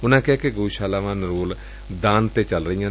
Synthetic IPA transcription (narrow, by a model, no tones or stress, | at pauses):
ʊnãːkɪaːkeɡuuːʃaːlaːʋãːnɾoːl | d̪aːnt̪eːt͡ʃəlɾəijãː